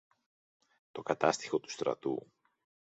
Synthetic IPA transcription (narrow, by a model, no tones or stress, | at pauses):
t̪o̞kɐt̪ɐst̪i̥xo̞t̪u̥st̪ɾɐ̰t̪ṵ